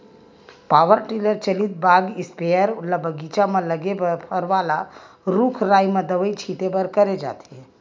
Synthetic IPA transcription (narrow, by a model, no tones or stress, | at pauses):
paʋəɾʈiləɾt͡ʃəlit̪̚baɡispeəɾulabəɡit͡ʃameləɡebəɾpʰəɾʋala | ɾukʰɾajmẽd̪əʋəit͡ʃʰit̪ebəɾkəɾed͡ʒa̰t̪e